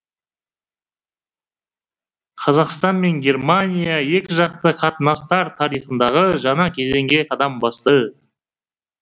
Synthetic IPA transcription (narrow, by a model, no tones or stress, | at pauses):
qʰɑzɑqst̪ɑnme̞ŋɡʲe̞rmanʲijjaje̞kʲɪʒɑq̚t̪əqʰɑt̪ənɑst̪ɑɾt̪ʰɑɾijχənd̪ɑʁəʒɑɴɑkʲʰe̞ze̞ŋɡʲe̞qʰɑd̪ɑmbɑst̪ə